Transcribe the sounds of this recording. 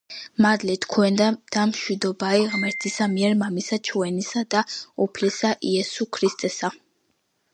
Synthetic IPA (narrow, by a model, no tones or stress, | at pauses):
mad̪lɛt̪ʰkʰwɛnd̪ad̪̥amʃwid̪ɔbaiʁmɛɾt̪ʰisamiɛɾmamisat͡ʃʰuɛnisad̪aupʰlɛsaʔiɛsukʰɾist̪ʼɛsa